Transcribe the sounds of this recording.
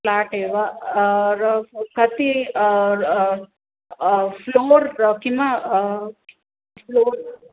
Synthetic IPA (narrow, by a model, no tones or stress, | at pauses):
laːʈeːʋa | ɾkɐt̪i | floːɾkima | floːɾ